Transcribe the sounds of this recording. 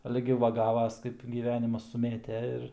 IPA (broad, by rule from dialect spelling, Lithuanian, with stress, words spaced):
ˈɑːlʲɛ ɡʲɪ ˈʋɐ ˈɡɑːʋɐs ˈkɐɪp ɡʲiːˈʋʲæːnʲɪmɐs sʊˈmʲeːtʲɛ ɪr